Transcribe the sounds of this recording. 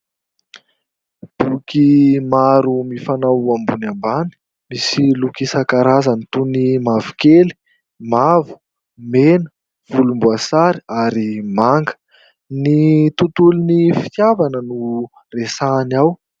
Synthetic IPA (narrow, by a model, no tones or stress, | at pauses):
b̥ukimaɾumifanawambunambani̥ | misilukisakaɾazanit̪unimavu̥keli̥ | mavu̥ | menə̥ | v̥ulumbuasaɾiaɾimaŋɡə̥ | nit̪ut̪ulinifi̥t̪javanənu | resaniaw